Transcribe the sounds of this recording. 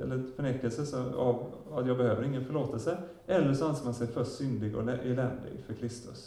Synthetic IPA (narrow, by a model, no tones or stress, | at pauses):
ɛ̰lːəfœɳeːkːəlsəsɔa̰vat̪jɑːɡbɛhøːvəɾɪŋːənfœɭoːt̪ɛlsə | ɛlːəʂɔansəmansɛjfœʂsʏnd̪ɪɡɔ̰ɛʔɛlɛnd̪d̪ɪ̰ɡfœɾkʰɾɪst̪ɵ̰s